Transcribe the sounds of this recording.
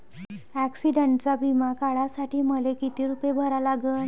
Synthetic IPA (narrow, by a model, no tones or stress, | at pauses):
æksiɖəɳʈt͡sabʱimakaɭasaʈiːməlekit̪iːɾupjebʱəɾalaɡə